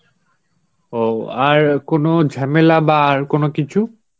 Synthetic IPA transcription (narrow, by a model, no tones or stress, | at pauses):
oaɹkonɔd͡ʒʱamelabaːɹkonʊkit͡ʃʰu